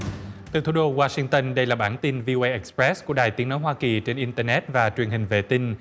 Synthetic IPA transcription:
t̪ɨ˨˩t̪ʰu˧˦ɗo˧waː˧si˧ŋt̪ə˧nɗə˧jlaː˨˩ɓaː˧˩nt̪i˧nvi˧ʔo˧ʔə˧jʔɛ˧˩k̚spɹɛ˦˥sku˧˩əɗaː˨˩jt̪i˨˦əŋno˨˦jɦwaː˧ki˨˩t͡ɕe˧nʔi˧nt̪əː˧nɛ˦˥t̚vaː˨˩t͡ɕwi˨˩ənɦï˨˩ŋ̟vḛ˧˨t̪ï˧n

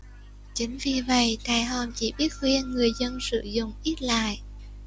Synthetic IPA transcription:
t͡ɕï˨˦ŋ̟vi˨˩və̰˧˨jt̪aː˨˩jɦɔ˨˩mt͡ɕi˧˩ɓi˦˥ət̚xwi˧ənŋɨ˨˩əjzə˧nsɨ̰˧˨zʊ̰˧˨ŋ͡mʔi˦˥t̚la̰ː˧˨jʔ

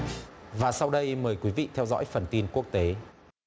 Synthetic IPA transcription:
vaː˨˩sa˧wɗə˧jməː˨˩jkwi˨˦vḭ˧˨t̪ʰɛ˧wzɔ̰ː˧˥jfə˨˩nt̪i˧nku˦˥ək̚t̪e˨˦

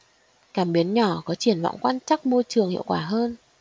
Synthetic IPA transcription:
kaː˧˩mɓi˨˦ənɲɔ˧˩kɔ˨˦t͡ɕi˧˩ənva̰˧˨wŋ͡mkwaː˧nt͡ɕa˦˥k̚mo˧jt͡ɕɨ˨˩əŋhḭ˧əwkwaː˧˩ɦəː˧n

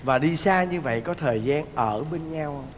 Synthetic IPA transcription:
vaː˨˩ɗi˧saː˧ɲɨ˧və̰˧˨jkɔ˨˦t̪ʰəː˨˩jzaː˧nʔəː˧˩ɓe˧nɲaː˧w

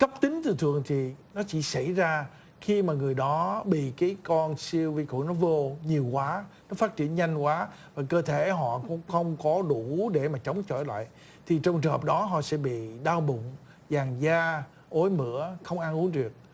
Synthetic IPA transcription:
kə˦˥p̚t̪ï˨˦ŋ̟t̪ɨ̰˧˨˩t̪ʰɨ˨əŋt̪ʰi˨˩nɔ˨˦t͡ɕi˧˩sa˧˩jzaː˧ | xi˧maː˨˩ŋɨ˨˩əjɗɔ˨˦ɓḭ˧˨kaː˨˦jkɔ˧nsi˧əwvi˧kṵ˧˨nɔ˨˦vo˧ɲi˨˩əwkwaː˨˦nɔ˨˦faː˦˥t̚t͡ɕḭ˧˩˨ənɲa˧jŋ̟kwaː˨˦ | vaː˨˩kəː˧t̪ʰe˧˩ə˨˦jɦɔ̰˧˨kʊ˧˥ŋ͡mxə˧wŋ͡mkɔ˨˦ɗu˧˩˨ɗe˧˩maː˨˩t͡ɕə˨˦wŋ͡mt͡ɕɔ̰˧˩jla̰ː˧˨j | t̪ʰi˨˩t͡ɕɔ˧wŋ͡mt͡ɕɨ˨˩ŋhə˨˩p̚ɗɔ˨˦ɦɔ̰˧˨sɛ̰˧˥ɓḭ˧˨ɗaː˧wɓʊ̰˧˨ŋ͡m | zaː˨˩ŋzaː˧ | ʔo˨˦jmɨ̰˧˥əxə˧wŋ͡mʔa˧nʔu˨˦ŋɗɨ˨˩ək̚

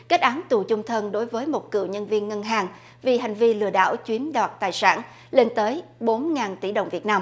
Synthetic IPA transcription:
ka˦˥t̚ʔaː˨˦nt̪u˨˩t͡ɕʊ˧ŋ͡mt̪ʰə˧nɗo˨˦jvəː˨˦jmo˨˩t̚kɨ̰˧˨ɲə˧nvi˧ənŋə˧nɦaː˨˩ŋ | vi˨˩ɦa˨˩ŋ̟vi˧lɨ̰˧˨əɗa̰ː˧˨wt͡ɕwi˨˦ənɗaː˨˩t̚t̪aː˨˩jsa̰ː˧˩n | le˧nt̪əː˨˦jɓo˨˦nŋaː˨˩nt̪ḭ˧˩ɗə̰˨˩wŋ͡mvi˨˩ət̚naː˧m

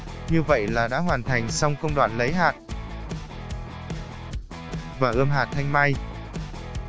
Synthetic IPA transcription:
ɲɨ˧və̰˧˨jlaː˨˩ɗa̰ː˧˥ɦwaː˨˩nt̪ʰa˨˩jŋ̟sa˧wŋ͡mkə˧wŋ͡mɗwaː˨˩nlə˨˦jɦaː˨˩t̚ | vaː˨˩ʔəː˧mɦaː˨˩t̚t̪ʰa˧jŋmaː˧j

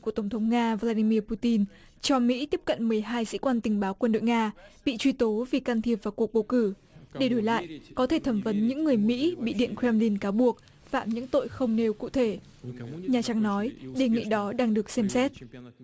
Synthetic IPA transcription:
ku˧˩ət̪ə˧˩ŋ͡mt̪ʰə˨˦wŋ͡mŋaː˧vlaː˧ɗi˧mi˧əpu˧t̪i˧n | t͡ɕɔ˧mḭ˧˥t̪i˦˥əp̚kə̰˧˨nmɨ˨˩əjɦaː˧jzɨ̰˧˥kwaː˧nt̪ï˨˩ŋ̟ɓaː˨˦wkwə˧nɗo̰˧˨jŋaː˧ɓḭ˧˨t͡ɕwi˧t̪o˨˦vi˨˩kaː˧nt̪ʰi˨˩əp̚vaː˨˩ku˨˩ək̚ɓə˧˩wkɨ˧˩ | ɗe˧˩ɗo˨˦jla̰ː˧˨jʔkɔ˨˦t̪ʰe˧˩t̪ʰə˧˩mvə˨˦nɲɨ̰˧˥ŋːɨ˨˩əjmḭ˧˥ɓḭ˧˨ɗḭ˧˨ənkwɛ˧mli˧nkaː˨˦wɓu˨˩ək̚ | faː˧˩mɲɨ̰˧˥ŋt̪o̰˧˨jxə˧wŋ͡mne˧wkṵ˧˨t̪ʰe˧˩ | ɲaː˨˩t͡ɕa˨˦ŋnɔ˨˦jɗe˨˩ŋḭ˧˨ɗɔ˨˦ɗaː˧ŋɗɨ˨˩ək̚sɛ˧msɛ˦˥t̚

